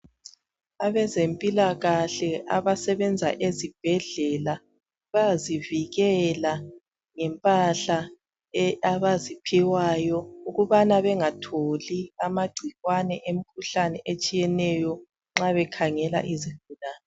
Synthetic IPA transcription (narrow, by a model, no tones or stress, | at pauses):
aβɛzempʼilaɣaɬɛʔaβasɛβɛnd͡zʱaʔezib̥ʱɛɮɛla | βaziviɣɛla | ŋɛmpʼaɬa | ɛaβazipʰiwajɔuɣuβanaβɛŋatʰoliamaɡ͡ǀ̥ʱiɣwanɛʔem̩kʰuɬanɛʔet͡ʃʼijɛnɛjɔ | ŋ͡ǁaβɛkʰaŋɛla̰ʔizivulaːnɛ